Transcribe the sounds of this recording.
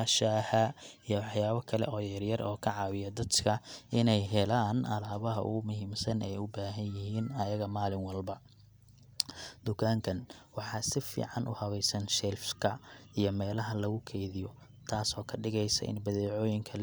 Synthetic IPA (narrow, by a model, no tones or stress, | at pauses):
aʃaːhɐijɔwɑħjaːβɐkʰɐlɛ̰ʔɔːjɐrjɐrɔːkʰɐʕɑwɪjɐd̪ɐd̪kʰɐʔɪnɛjɦɛlaːnɐlaːβɐɦɐ̰ʔʊ̰ɣʊmʊɦiːmsɐnɛjʊbaːɦɐnjɪɦiːnɐjɐɣɐmaːlɪŋwɐlbɐ | d̪̥ʊkʰaːŋkʰɐnwɑħɑsɪfḭːʕɑnʔʊ̰hɐβɛjsɐnʃɛlfkʰɐijɞmɛːlɐɦɐlɐɣʊkʰɛjðɪjɔ | t̪ʰaːsɔːkʰɐɖɪɣɛjsɐ̰ʔɪ̰nbɐðɛːʕɔːjɪŋkʰɐl